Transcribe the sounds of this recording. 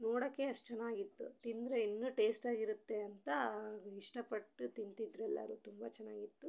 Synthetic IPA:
noːɽɐkːe̞ɐʂʈɐt͡ʃɛnːaːɡit̪ːṵt̪ind̪ɾeinːuʈe̞ːsʈaːɡiɾut̪ːe̞ɐnt̪ɐiʂʈɐpɐʈːut̪int̪id̪ɾɛlːɐ̰ɾut̪umbɐt͡ʃɛnːaːɡit̪ːu

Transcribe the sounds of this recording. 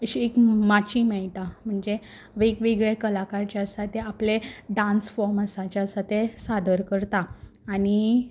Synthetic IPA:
əɕiekmat͡ɕimeɭʈam̤əɳd͡ze | ʋekʋeɡɭekəlakaɾt͡ɕaəsat̪eapleɖãnsfɔɾməsat͡ɕjaəsat̪esad̪əɾkəɾt̪aːɽ̃i

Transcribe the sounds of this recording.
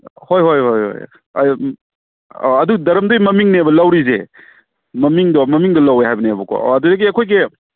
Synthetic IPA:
hojɦojhojo̰j̰ | ɐduɡdɐɾɐmdojmɐmiŋnebɐlɐwɾize | mɐmiŋdɔmɐmiŋdɔlɐweɦajbɐneɐbɐkɔ̰ɐdudɐɡiɐkʰojɡe

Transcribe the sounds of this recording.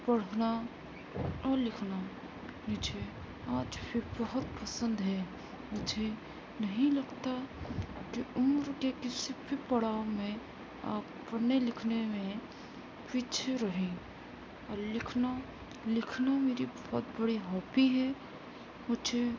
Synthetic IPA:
pɐɽ̤na | ɾlɪkʰna | nid͡ʒʰe | aːd͡ʒpʰɪɾbəɦʊt̪pəsə̃nd̪ɦɛ | mʊd͡ʒʱe | nɐɦĩlɐɡt̪akiʊmɾkekɪsibʱipɐɽaːomẽ | a̰ː | pnelɪkʰnemẽ | pit͡ʃʰɾəɦẽ | ɔːɾlɪkʰna | lɪkʰnameːɾibɔɦːt̪bəɽiɦɔːpiɦɛ | mʊd͡ʒe

